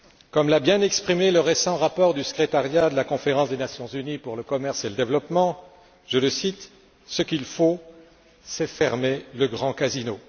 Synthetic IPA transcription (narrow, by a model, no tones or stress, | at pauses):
kɔmlabjɛ̃nɛkspχimeləʁesɑ̃ʁapɔʁd̪ysə̥kχet̪aʁjad̪əlakɔ̃feʁɑ̃sd̪enasjɔ̃zynipuʁləkɔmɛʁseləd̪evlɔpmɑ̃ | ʒələsit̪ | səkʲilfo | sɛfɛʁmeləɡʁɑ̃kazino